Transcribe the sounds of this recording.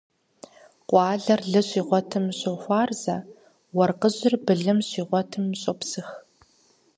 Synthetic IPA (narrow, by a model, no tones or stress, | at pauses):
qʷʼɑːɮɐrɮɨɕʼiːʁʷɔtʰɨmɕʼoxʷɑːrz̥ɐ | wɐrqəʑɪrbɨɮɨmɕiːʁʷɔtʰɨmːɕʼopsɨx